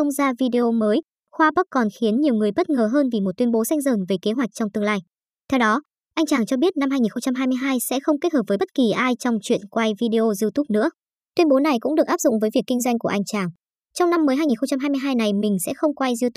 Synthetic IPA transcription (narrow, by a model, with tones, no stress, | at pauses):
ə˧wŋ͡mzaː˧vi˧ɗe˧o˧məː˨˦j | xwaː˧ɓə˦˥kkɔ˨˩nxi˨˦ənɲi˨˩əwŋɨ˨˩əjɓə˦˥t̚ŋəː˨˩ɦəː˧nvi˨˩mo˨˩t̪̚wənɓo˨˦sa˧jŋ̟zəː˨˩nve˨˩ke˨˦ɦwa˨˩k̚t͡ɕɔ˧ŋ͡mt̪ɨ˧əŋlaː˧j | t̪ʰɛ˧wɗɔ˨˦ | ʔa˧jŋ̟t͡ɕaː˨˩ŋt͡ɕɔ˧ɓi˦˥ət̚na˧mhaː˧jŋi˨˩nxə˧ŋ͡mt͡ɕa˧mɦaː˧jmɨ˧jɦaː˧jsɛ̰˧˥xə˧wŋ͡mke˦˥t̚həː˧˩p̚vəː˨˦jɓə˦˥t̚ki˨˩ʔaː˧jt͡ɕɔ˧wŋ͡mt͡ɕwḭ˧˨ənkwa˧jvi˧ɗe˧o˧zi˧wt̪u˦˥p̚nɨ̰˧˥ə | t̪wi˧ənɓo˨˦na˨˩jkʊ̰˧˥ŋ͡mɗɨ˨˩ək̚ʔa˦˥p̚zʊ̰˧˨ŋ͡mvəː˨˦jvi˨˩əkːï˧ŋ̟zwa˧jŋ̟ku˧˩əʔa˧jŋ̟t͡ɕaː˨˩ŋ | t͡ɕɔ˧wŋ͡mna˧mːəː˨˦jɦaː˧jɲi˨˩nxə˧wŋ͡mt͡ɕa˧mɦa˧mɨ˧jɦaː˧jna˨˩jmï˨˩ŋ̟sɛ̰˧˥xə˧wŋ͡mkwa˧jzi˧t̪